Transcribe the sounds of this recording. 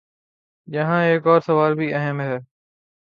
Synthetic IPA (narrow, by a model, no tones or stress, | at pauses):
ʄɐɦãɦeːkɔːɾsɐʋaːlbʱiɐɦəmɦɛː